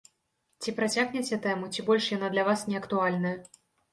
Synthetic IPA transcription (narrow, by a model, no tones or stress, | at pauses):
t͡sʲipɾat͡sʲaɣnʲɛt͡sʲɛt̪ɛmut͡sʲibɔlʲʂjanad̪lʲɐvasnʲɛɐkt̪ualʲnɐjɐ